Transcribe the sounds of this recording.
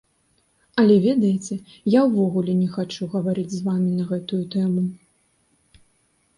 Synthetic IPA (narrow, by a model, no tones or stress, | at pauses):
ɐlʲɛvʲɛd̪ɐjɛt͡sʲɛ | jawvɔɣulʲɛnʲɛxat͡ʂuɣɐvaɾɨd͡zʲzvamʲinɐɣɛt̪ujut̪ɛmu